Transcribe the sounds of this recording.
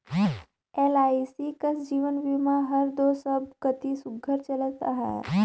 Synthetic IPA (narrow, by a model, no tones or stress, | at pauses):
elaisikəsd͡ʑiːʋənʋimaɦəɾd̪osəbkət̪isuɡʱəɾt͡ʃələt̪a̰ɦa̰